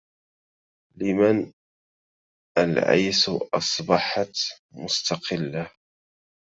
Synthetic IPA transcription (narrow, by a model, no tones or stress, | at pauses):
lɪman | ʔalʕa̰jsʔɑsˤbɑħɑt̪ | mʊst̪ɑqɪlːa